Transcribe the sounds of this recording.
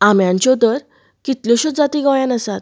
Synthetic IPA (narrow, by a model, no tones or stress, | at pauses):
amjãɲt͡ɕɔd̪əɾ | kit̪ljɔ̃ɕod͡zat̪iɡajãnəsat̪